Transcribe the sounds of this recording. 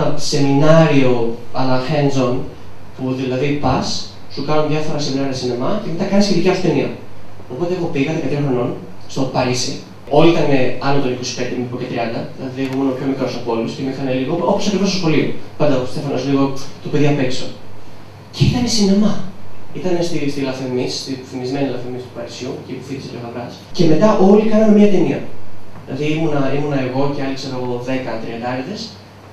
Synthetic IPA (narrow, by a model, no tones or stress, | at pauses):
se̞minɐɾio̞ɐlɐxenzo̞n | puðilɐðipɐs | sukɐnoðʝɐfo̞ɾɐseminɐɾiɐsinemɐcemet̪ɐkɐnesçe̞t̪iciɐfeniɐ̰o̞po̞t̪exo̞piɣɐt̪ekɐt̪iɾxɾo̞no̞n | st̪o̞pɐɾisi | o̞liit̪ɐneɐnlot̪o̞niko̞si̥pend̪emipocet̪ɾiɐnd̪ɐðilɐðiexomonopço̞mikɾosɐpo̞luscemixɐneliɣooposɐkɾivost̪oxo̞liopɐnd̪ɐ̥sefɐnozliɣo̞t̪opeðiɐmpekso | ce̞it̪ɐne̞sinemɐit̪ɐne̞st̪ist̪ilɐfemist̪iθimizme̞nilɐfemist̪u̥pɐɾisjucipufit̪isepoxɐvɾɐsce̞me̞t̪ɐʔo̞likɐnɐnemɲɐt̪e̞niɐ̰ðilɐðiimunɐimunɐe̞ɣo̞ceɐlikseɾoɣoðe̞kɐt̪ɾiɐnd̪ɐeɾðes